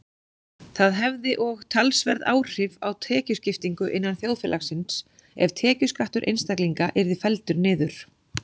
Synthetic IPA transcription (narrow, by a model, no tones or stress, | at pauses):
θaðɦɛvðɪʔɔɣt̪ʰalsvɛɾða̰ːwr̥ɪvawt̪ʰɛːcʏscɪft̪iŋkʏʔɪnːanθjowðfɛːlʔaxsɪns | ɛv̥t̪ʰɛːcʏskɾaht̪ʏɾʔḛjnst̪akliŋkaʔɛɾðɪfɛlt̪ʏɾnɪːðʏɾ̥